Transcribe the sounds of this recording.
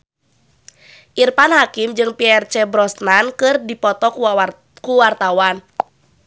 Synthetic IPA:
ʔirpanɦakimd͡ʒɨŋpiɛrt͡ʃɛbɾɔsnankɨrdipɔt̪ɔk | kuwart̪awan

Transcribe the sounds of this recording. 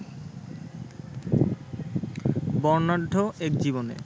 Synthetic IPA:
bɔɾnaɖʱːoɛkd͡ʑiβonḛ

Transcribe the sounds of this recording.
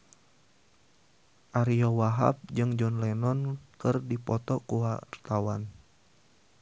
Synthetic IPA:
ʔaɾiɔwaɦa̰p̚d͡ʒɨŋd͡ʒɔnlɛnɔnkɨrdipɔt̪ɔkuwart̪awan

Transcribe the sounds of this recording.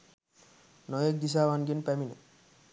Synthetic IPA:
nɔjek̚d̪is̬aβanɡinpɛminḛ

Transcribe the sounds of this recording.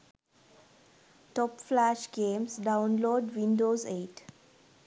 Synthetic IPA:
ʈɔːpflæʃɡẽːmzɖãʊ̃nloːɖʋĩnɖoːzeːʈ

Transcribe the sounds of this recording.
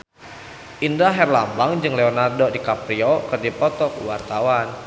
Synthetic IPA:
ʔindaɦɛrlambaŋd͡ʒɨŋlɛonardodikapɾiokɨrdipɔt̪ɔkuwart̪awan

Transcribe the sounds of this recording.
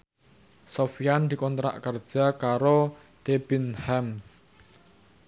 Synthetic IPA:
sofijand̪i̤kɔnt̪ɾa̰ʔkərd̥ʒ̥a̤kaɾo | t̪eb̥inhɛms

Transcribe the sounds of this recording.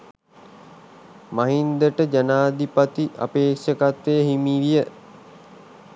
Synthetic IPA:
maɦind̪əʈəd͡ʒanaːd̪ipat̪iʔa̰peːkʂəkat̪ʋejəɦimiʋijə

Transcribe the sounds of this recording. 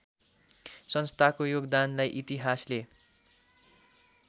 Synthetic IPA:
sʌnst̪ʰakojoɡd̪anlajʔit̪iɦasle

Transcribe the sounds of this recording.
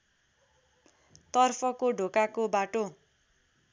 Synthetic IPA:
t̪ʌrpʰʌkoɖʱokakobaʈo

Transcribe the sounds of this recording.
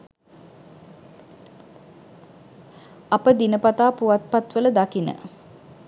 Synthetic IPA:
ɐpəd̪inəpat̪aːpuʋat̪̚pat̪ʋələd̪akinə̰

